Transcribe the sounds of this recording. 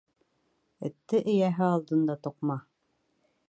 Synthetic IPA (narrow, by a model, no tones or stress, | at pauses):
ɘ̆t̪ːɘʔɘ̆jæɦɘɑlˠd̪ɤ̆nd̪ɑt̪ŏqmɑ